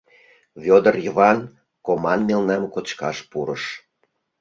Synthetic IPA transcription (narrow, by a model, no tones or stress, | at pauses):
vʲod̪ərjəβɑn | komɑnmelnɑmkot͡ɕkɑʃpuɾəʃ